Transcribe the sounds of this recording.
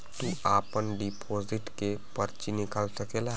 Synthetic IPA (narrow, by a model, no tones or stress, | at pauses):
t̪uaːpənɖipʰoːzɪʈkepəɾt͡ʃinɪkəlsəkela